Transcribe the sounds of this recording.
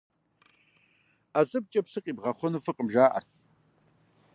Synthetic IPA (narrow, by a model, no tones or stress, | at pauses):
azɨp̚t͡ʃʼɐpsɨqʼiːbʁɐχʷʊnuːfɨqʼəmʒaːʔɐ̰rt̚ʰ